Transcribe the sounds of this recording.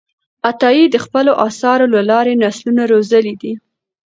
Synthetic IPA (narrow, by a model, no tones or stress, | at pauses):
at̪ɑjid̪əxpəloʔɑsɑɾolalɑɾenaslunaɾozəlid̪i